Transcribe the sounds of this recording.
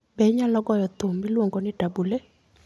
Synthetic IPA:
bɛɲalɔɡɔjɔt̪ommɪlwɔŋɡɔnɪtabule

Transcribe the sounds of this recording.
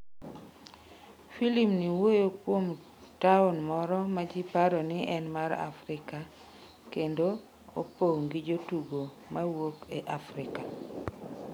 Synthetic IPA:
filimniwojokwom | taonmɔɾɔmad͡ʒipaɾɔnɪʔɛnmaɾa̰fɾɪka | kendo | o̰poŋɡid͡ʒotuɡo | mawokeʔafɾɪka

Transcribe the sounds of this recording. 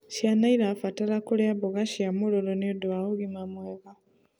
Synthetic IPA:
ʃjanaiɾafataɾakuɾeaβuɣaʃiamuɾoɾoniodwauɣimamweβa

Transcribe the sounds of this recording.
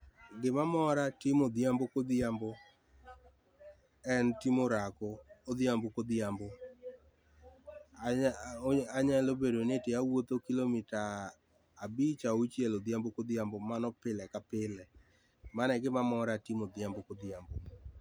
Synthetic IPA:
ɡɪmamɔɾatimod̪jambokod̪jambo | ɛntimoɾakoːd̪jambokod̪jambo | aɲalobeɾonetɪjawot̪okilomitaː | bit͡ʃaot͡ʃjɛlod̪jambokod̪jambomanɔpɪlɛkapɪlɛ | manɛɡɪmamɔɾatimod̪jambokod̪jambo

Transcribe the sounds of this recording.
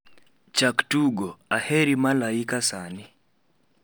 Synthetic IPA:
t͡ʃaktuɡoaheɾimalaikasani

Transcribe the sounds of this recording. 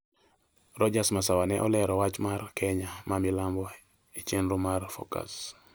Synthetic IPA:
ɾɔd͡ʒasmasawanɛʔɔlɛɾɔwat͡ʃmarkʰɛɲamamilambɔ | et͡ʃenɾumarfo̰ka̰s

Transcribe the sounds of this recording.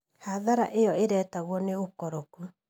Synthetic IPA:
haðaɾa̰ʔejɔeɾɛːtaɣwɔneokɔɾoku

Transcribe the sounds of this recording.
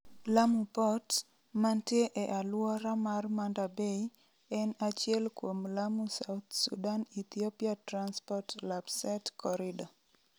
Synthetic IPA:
lamupɔt | mantjeʔɛʔalwɔɾamarmandabei | ɛnat͡ʃjɛlkwomlamusawt̪sṵdanit̪iopiatɾanspɔtlapsɛtkɔɾɪdɔ

